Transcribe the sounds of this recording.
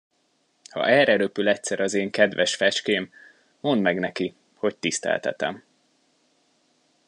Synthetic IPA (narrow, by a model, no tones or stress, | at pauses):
hɒ̰ʔɛrɛɾøpylɛcsɛɾɒzeːŋkɛd̪vɛʃfɛt͡ʃkeːm | mo̞nd̪mɛɡnɛki | ho̞c̚t̪ist̪ɛ̰lt̪ɛ̰t̪ɛ̰m